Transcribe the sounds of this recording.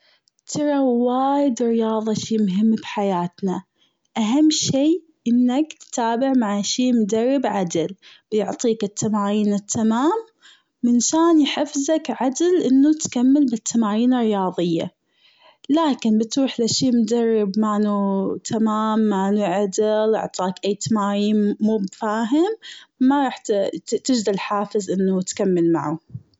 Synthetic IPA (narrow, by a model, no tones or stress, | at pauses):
t̪ʰɑɾˤɑwaːjɪd̪ɪrːjɑːðˤɑʃiːmʊɦɪmːbħajaːt̪na | ʔaɦamːʃiː | ʔɪnːakt̪t̪aːbɪʕmaʕaʃiːmd̪ɑrˤːɪbʕad̪ɪlb̥jʊʕt̪ˤiːkɪt̪ʰːamaːjiːnɪt̪ʰːamaːm | mɪnʃaːnjħɪfzakʕad̪lʔɪnːut̪kamːɪlbɪt̪ʰːamaːjiːnɪrːɪjɑːðˤɪjːa̰ | laːkɪnbɪt̪ɾuːħlaʃiːmʊd̪ɑrˤːɪbmanut̪ʰamaːmːanuʕad̪ɪlʊ̰ʕt̪ˤɑːkʔajːt̪amaːjiːnmuːbfaːɦɪmːaɾˤɑːħt̪ɪd͡ʒd̪alħaːfɪzʔɪnːut̪kamːɪlma̰ʕu